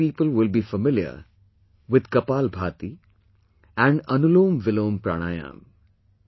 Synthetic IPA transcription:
iːpəlwɪlbiːfəmɪljə̰ɾ | ʋɪd̪kɐpaːlbʱaːt̪i | ɛ̃ɳɖɐnʊloːmʋɪloːmpɾa̰ːɽ̃aːjã̰ːm

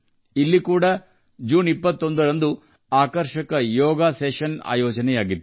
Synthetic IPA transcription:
ilːikuːɽɐ | d͡ʒuːnipːɐt̪ːo̞nd̪ɐɾɐnd̪u | aːkɐɾʃɐkɐjɔːɡaːseːʃɐna̰ːjɔːd͡ʒɐnɛjaːɡid̪ːu

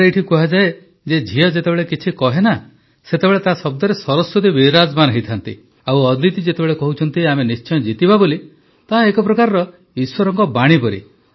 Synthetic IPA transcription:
ɾeeʈʰikɔɦad͡ʒae | d͡ʒed͡ʒʱiɔd͡ʒet̪ebeɭekit͡ʃʰikɔɦena | set̪ebeɭet̪asɔb̚d̪ɔɾesɔɾɔsːud̪ibiɾad͡ʒmanɔɦit̪ʰant̪ḭ | awɔd̪lit̪id͡ʒet̪ebeɭekɔɦut͡ʃʰɔnt̪iamenist͡ʃɔjɔd͡ʒit̪ibaboli | t̪aɦaekɔpɾɔkaɾɾɔ | iswɔɾɔŋkɔbaɽ̃ipɔɾḭ

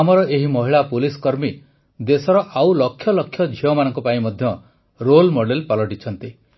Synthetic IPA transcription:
amɔɾɔʔeɦimɔɦiɭapuliskɔɾmi | d̪esɔɾɔʔawlɔkʰːjɔlɔkʰjɔd͡ʒʱiɔmanɔŋkɔpaĩmɔd̪ʱjɔ | ɾolmoɽelpalɔʈit͡ʃʰɔnt̪i

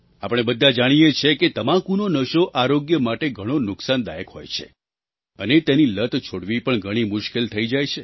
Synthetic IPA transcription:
apəɽ̃ebəd̪ʱad͡ʒaɽ̃ijet͡ʃʰeket̪əmãkunonəʃoʔaɾoɡjəmaʈeɡʱəɽ̃onʊksand̪a̰jəkɦo̰jt͡ʃʰḛ | ənet̪enilət̪t͡ʃʰoɽʋipəɳɡʱəɽ̃imʊʃkelt̪ʰəid͡ʒajt͡ʃʰe

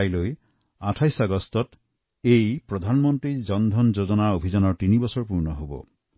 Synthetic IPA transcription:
jloj | aʈʰajsaɡɔst̪ɔt | ejpɾɔd̪ʱanmɔnt̪ɾid͡ʒɔnd̪ʱɔnd͡ʒod͡ʒɔnaobʱid͡ʒanɔt̪inibɔsɔɹpuɾnɔɦobɔ̰

